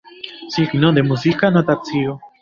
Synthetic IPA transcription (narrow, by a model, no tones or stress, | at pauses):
siknõd̪emuzikanõt̪at͡sio